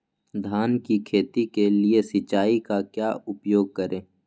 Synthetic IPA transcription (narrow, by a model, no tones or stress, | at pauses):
d̪ʱaːnkikʰeːt̪ikeliesɪt͡ʃaːikakjaːʔʊpjoːɡ̚kəɾʔẽː